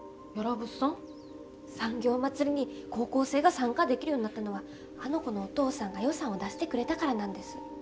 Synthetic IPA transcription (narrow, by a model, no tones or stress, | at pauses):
jo̞ɾobɯ̟sõŋ | sãŋɡʲo̞ːmat͡sɨɾʲiɲ̟iko̞ːko̞ːse̞ːɡasãŋkad̪e̞kʲiɾɯjoːɲinat̪ːano̞β̞a | ano̞ko̞no̞ːt̪o̞ːsãŋɡajo̞sãɰ̃o̞d̪aɕi̥t̪e̞kɯ̟ɾe̞t̪akaɾanãnd̪e̞sɨ̥